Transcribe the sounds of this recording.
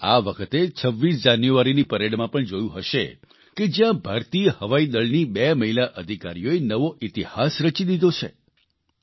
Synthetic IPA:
a̰ʋəkʰət̪et͡ʃʰəʋːis̬d͡ʒanjuʋaɾinipəɾeɽmãpəɳd͡ʒojũɦəʃḛ | ked͡ʒjãbʱaɾt̪ijəhəʋaid̪əɭnibeməɦilaʔəd̪ʱikaɾijoenəʋoʔit̪ihasɾət͡ʃid̪id̪ʱot͡ʃʰḛ

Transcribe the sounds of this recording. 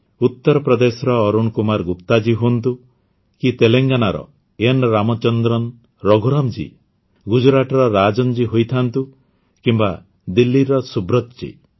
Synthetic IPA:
ut̪ːɔɾɔpɾɔd̪esɔɾɔːɾunkumaɾɡupt̪ad͡ʒiɦunt̪u | kit̪eleŋɡanaɾɔ̰ | enɾamɔt͡ʃɔnd̪ɾɔn | ɾɔɡʱuɾɔmd͡ʒḭ | ɡud͡ʒɾaʈɔɾɔɾad͡ʒɔnd͡ʒiɦojt̪ʰant̪u | kimba | d̪ilːiɾɔsubɾɔt̪t͡ʃḭ

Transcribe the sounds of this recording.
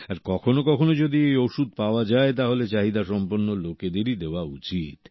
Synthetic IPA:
aɾkɔkʰonokɔkʰonod͡ʑod̪iejoʃud̪̚paoad͡ʑaet̪aɦolet͡ɕaɦid̪aʃɔmpoɾnːoloked̪eɾid̪eoaut͡ɕit̪

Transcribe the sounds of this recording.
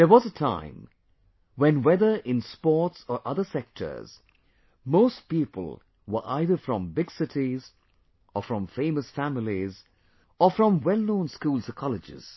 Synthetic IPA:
dəwɔzətʰã̰ɪ̃m | wɛ̃nwɛðə˞ʔɪ̃nspɔɹtsɔɹʔʌðəsɛk̚tʰə̰˞z̥ | moʊst̚pipə̰lˠ | wə̰˞ʔa̰ɪðə˞fɹɔ̃mbɪɡsɪtʰiz | əfɹɔ̃ɱfẽɪməsfæmɪliz | ɔfɹɔ̃mwɛlˠnõʊ̃nskuːlˠsəkʰɑlɨd͡ʒɪ̰z̥

